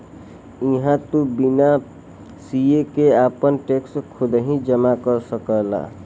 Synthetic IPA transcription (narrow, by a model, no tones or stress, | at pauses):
iɦãt̪ubina | siekeapənʈekskʰod̪əɦĩd͡ʒəmakəɾsəkəla̰